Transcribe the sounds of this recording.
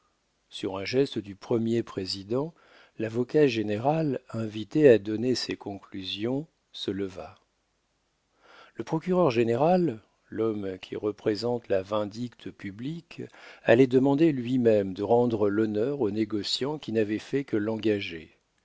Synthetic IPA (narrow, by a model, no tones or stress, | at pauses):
syʁɛ̃ʒɛst̪əd̪ypχəmjepχezid̪ɑ̃ | lavɔkaʒeneʁalɛ̃vit̪ead̪ɔnesekɔ̃klyzjɔ̃ | sələva̰ | ləpχɔkʲyʁœʁʒeneʁalː | ɔmkʲʰḭʁəpχezɑ̃t̪lavɛ̃d̪ikt̪ʰəpyblika̰lɛd̪əmɑ̃d̪elɥimɛmd̪əʁɑ̃d̪ʁəlɔnœʁoneɡɔsjɑ̃kʲinavɛfɛkəlɑ̃ɡaʒḛ